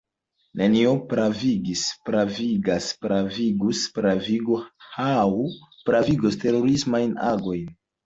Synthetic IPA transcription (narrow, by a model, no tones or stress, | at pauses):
neniopɾaviɡispɾaviɡaspɾaviɡuspɾaviɡohawpɾaviɡoste̞ɾo̞ɾismajnaɡo̞jn